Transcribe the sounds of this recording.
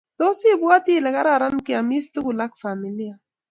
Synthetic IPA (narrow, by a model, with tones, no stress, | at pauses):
t̪o˦si˦bwa˦t̪i˦˨la˨ɣa˦ɾa˦˨ɾa˦nki˨a˨mi˦st̪u˦ɡu˨la˦kfa˨mi˨li˦a˨